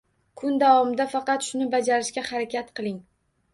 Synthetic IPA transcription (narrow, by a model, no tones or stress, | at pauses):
kʰʊnd̪avɒmɪd̪afɑqɑt̪ʃʊnɪbad͡ʒaɾɪʃkʲahaɾakʲʰat̪qʰɨlˠɪŋ